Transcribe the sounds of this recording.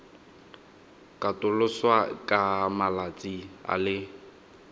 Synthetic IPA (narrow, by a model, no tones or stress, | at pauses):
kʼatʼʊlʊswakʼamalat͡sʼia̰lɪ